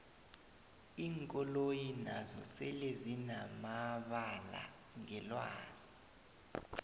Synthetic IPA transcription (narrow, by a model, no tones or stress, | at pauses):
iːŋkʼɔlojinazɔ̰sɛlezinamaɓala̰ | ŋɛlwa̰ːz̥i